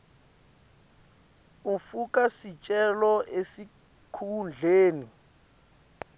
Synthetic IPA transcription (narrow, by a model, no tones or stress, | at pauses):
ufukʼasit͡ʃʼɛlɔʔesi | kʰund͡ɮʱeːni